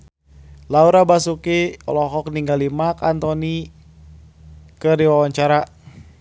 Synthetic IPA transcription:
lauɾabasukiɔ̰lɔɦɔkniŋɡalimakant̪ɔni | kədiwawaɲt͡ʃaɾa

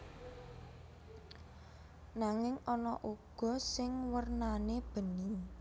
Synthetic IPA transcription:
naŋɪŋɔnɔʔuɡ̥ɔ̤sɪŋwərnaneb̥ə̤ni

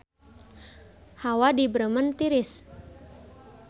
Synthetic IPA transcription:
hawadibɾəmənt̪iɾɪs

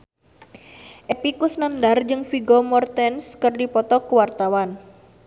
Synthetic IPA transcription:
ʔepikʊsnandard͡ʒəŋfiɡɔmɔrt̪ɛnskərdipɔt̪ɔkuwart̪awan

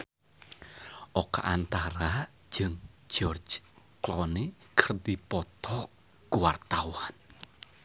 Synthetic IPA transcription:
ʔɔka̰ʔant̪aɾḁ | d͡ʒ̥ɨŋd͡ʒɔrd͡ʒ | klɔne | kərd̪ipɔt̪ɔ | ɡuwart̪awan

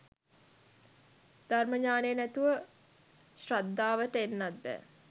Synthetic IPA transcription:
d̪̥arməɲaːneənæt̪uʋə | ɕrad̪ːaːʋəʈəenːat̪̚bɛ̰ː

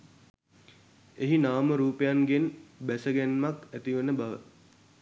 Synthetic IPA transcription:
eɦinaːməɾuːpəjanɡenbæsəɡænmakæt̪iʋənəbaʋə̰

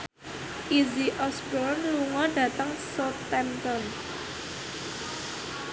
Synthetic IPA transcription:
ʔiziʔɔsbɔnluŋɔɖä̤t̪əŋsot̪ɛmt̪ɔn

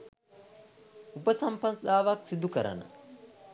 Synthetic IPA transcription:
upəsɐmpɐnd̪aːʋaksid̪ukəɾɐ̰nə̰

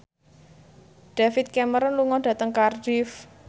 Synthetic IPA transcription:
d̥a̤fɪt̪̚kɛməɾənluŋɔnɖ̥ä̤t̪əŋkardif

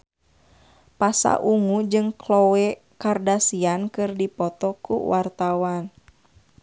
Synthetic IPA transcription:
pasa̰ʔuŋud͡ʒɨŋklɔwɛ | kardasiankɨrdipɔt̪ɔkṵwʔart̪awan

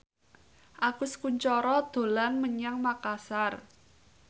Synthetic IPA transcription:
ʔakʊskuɲt͡ʃɔɾɔd̪̥o̤lanməɲaŋmakasar

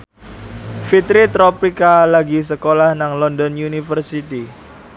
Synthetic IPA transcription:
fit̪ɾit̪ɾɔpikalaɡis̬əkolahnaŋlɔndɔnjunifərsit̪i

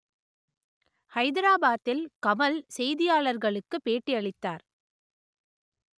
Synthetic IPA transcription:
hɐɪðɪɾaːbaːt̪ːɪlkɐmɐlsɛjðɪjaːɭɐɾɣɐɭɯkːɯpːeːʈːiɐɭɪt̪ːaːɾ

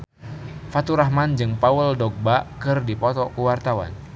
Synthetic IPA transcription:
fat̪uɾaɦmand͡ʒɨŋpawəldɔk̚bakɨrdipɔt̪ɔkuwart̪awa̰n

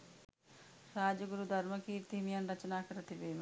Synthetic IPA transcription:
ɾaːd͡ʒɐɡuɾud̪ʱɐɾmɐkiːɾt̪imijɐnɾɐt͡ʃɐnaːkɐɾɐt̪ibeːm

